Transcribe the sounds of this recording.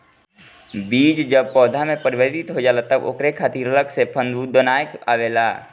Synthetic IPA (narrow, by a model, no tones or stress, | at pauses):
biːd͡ʒd͡ʒəb̚pɔːd̪ʱamẽpəɾɪbət̪ɪt̪ɦod͡ʒaːlat̪əbo̰kɾekʰaːt̪iːɾələksepʰə̃nd̪ud̪ənaːjəka̰ʋeːlaː